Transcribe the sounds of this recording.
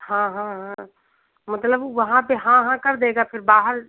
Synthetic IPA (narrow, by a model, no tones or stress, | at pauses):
ɦãːɦãːɦã | mɐt̪ləbʋɐɦãpeɦãɦãkɐɾd̪eːɡapʰɪɾbaːɦəɾ